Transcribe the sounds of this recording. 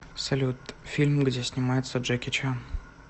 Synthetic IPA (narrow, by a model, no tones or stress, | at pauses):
sɐlʲut̪fʲilʲmɡdʲesʲnʲɪmajɪt̪səʐɨkʲɪt͡ɕan